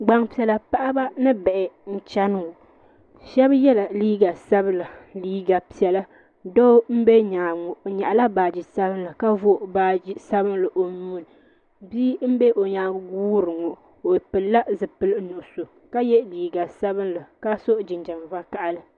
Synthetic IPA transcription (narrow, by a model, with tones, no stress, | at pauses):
ɡ͡ba˦ŋpi˨ɛ˨la˨pa˦ʔa˦ba˦nɨ˦bɛ˨ʔɪ˨n̩˦t͡ʃa˦n˨o˨ | ʃɛ˦bjɛ˦la˨liː˦ɡa˨sa˦bɨ˦la˨liː˦ɡa˨pi˨ɛ˨la˦ | do˦m̩˦be˦ɲa˨ŋ˨ɲa˨ʔa˨la˦baː˨d͡ʒi˨sa˦bɨ˦n˦lɨ˨ka˦vo˦˨ba˦d͡ʒi˦sa˦bɨ˦nlɨ˨ʔo˨nuː˦nɨ˨ | biː˦m̩˦be˦ʔo˨ɲaː˨˦ɡuː˦ɾɨ˨ŋɔ˨ | o˨pɨ˨lːa˦zɨ˨pɨ˨lɨ˦nʊ˨ʔʊ˨so˨ | ka˦jɛ˦liː˨ɡa˨sa˦bɨ˦nla˨ka˦so˦ʔd͡ʒɪ˨nd͡ʒa˨m˨va˦ka˦ʔa˨lɨ˨